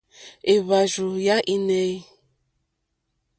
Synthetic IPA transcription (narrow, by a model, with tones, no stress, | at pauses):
e˨βa˨ʒu˨ja˦ʔi˦nɛ˦i˦